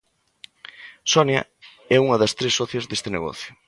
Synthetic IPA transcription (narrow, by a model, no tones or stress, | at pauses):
sɔnjɐ̰ | ɛuŋɐðɐst̪ɾesːɔθjɐzðest̪ɪneɣɔ̰θjʊ